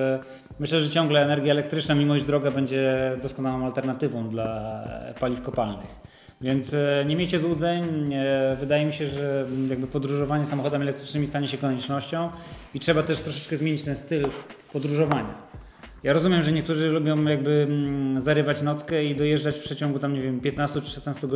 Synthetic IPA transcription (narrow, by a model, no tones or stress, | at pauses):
mɘɕlɛʐɛt͡ɕɔ̃ŋɡlɛːnɛɾɡʲjaɛlɛkt̪ɾɘt͡ʂnamʲiwɔʑd͡ʑd̪ɾɔɡabɛɲd͡ʑɛd̪ɔskɔnawɔ̃w̃alt̪ɛɾnat̪ɘvɔ̃w̃d̪lapalʲifkɔpalnɘ̰x | vʲjɛnt̪sɲemʲjejt͡ɕɛzwud̪zɛɲ | vɘd̪ajɛmʲiɕɛʐɛjaɡ̚bɘpɔd̪ɾuʐɔvaɲɛsamɔxɔd̪ɛmʲiɛlɛk̚t̪ɾɘt͡ʂnɘmʲist̪aɲɛɕɛkɔɲɛt͡ʂnɔɕt͡ɕɔ̃w̃itʂɛbat̪ɛʂt̪ɾɔʂɛt͡ʂkɛzmʲeɲit͡ɕt̪ɛnst̪ɘlpɔd̪ɾuʐɔvaɲa̰ | jaɾɔzumʲjɛmʐɛɲɛk̚t̪uʐɘlubʲɔ̃w̃jaɡ̚bɘzaɾɘvat͡ɕnɔt̪skɛid̪ɔjɛʐd͡ʐat͡ɕfpʂɛt͡ɕɔ̃ŋɡut̪amɲevʲjɛmpʲjɛt̪nast̪ut͡ʂɘ̥ʂɛsnast̪uɡ